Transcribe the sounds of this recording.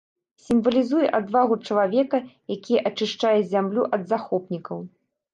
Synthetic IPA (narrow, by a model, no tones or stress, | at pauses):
sʲimvɐlʲizujɛʔad̪vaɣut͡ʂɐlˠavʲɛkɐjakʲijɛʔɐt͡ʂɨʂt͡ʂajɛzʲamlʲuʔɐd̪zaxɔpnʲikɐw